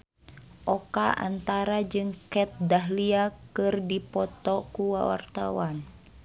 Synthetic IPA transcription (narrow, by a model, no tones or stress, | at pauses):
ʔɔkaʔa̰nt̪aɾad͡ʒɨŋkɛt̪̚daɦliakɨrdipɔt̪ɔkuwa̰wa̰rt̪awan